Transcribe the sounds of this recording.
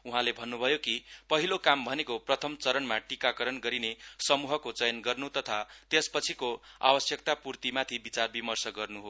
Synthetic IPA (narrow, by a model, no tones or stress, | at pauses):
uɦãlebʱʌnːubʱʌjokipʌɦilokambʱʌnekoprʌt̪ʰʌmt͡sʌɾʌnmaʈikakʌɾʌnɡʌɾinesʌmuɦʌkot͡sʌjʌnɡʌrnut̪ʌt̪ʰat̪espʌt͡sʰikoa̰bʌsjʌk̚t̪apurt̪imat̪ʰibit͡sarbimʌrsʌɡʌrnuɦo